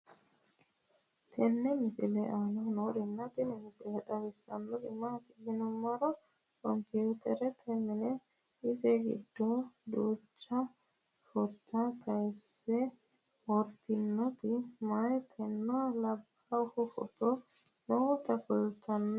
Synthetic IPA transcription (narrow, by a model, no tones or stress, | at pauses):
t̪ʰɛnːɛmɪsɪlɛʔanɔnoɾɪnːɐt̪ɪnɛmɪsɪlɛᶑɐwɛsːɐ̰nːɔɡɪmat̪ɪɡɪnɔmːɐɾɔ | kɔmpjut̪ʰɛɾɛt̪ʰɛmːɪnɛ | ɪsɛɡɪ̰d̪ːɔd̪uːt͡ʃːɐ | fɔt̪ːɐpɐjsːɛ | wɔɾt̪ɪnːɔt̪ɪmajt̪ʰɛnːɔwalɐb | ɐhɔfɔ̰t̪ɔnɔt̪ɐfʊlt̪ʰːɐnː